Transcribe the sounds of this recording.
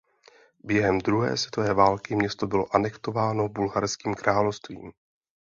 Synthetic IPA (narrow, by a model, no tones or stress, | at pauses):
bjɛɦɛmd̪ɾuɦɛ̰ːsvɛt̪o̞vɛːvaːlkɪmɲɛst̪o̞bɪlo̞ʔanɛkt̪o̞vaːno̞bulɦaɾskiːmkɾaːlofst̪vḭːm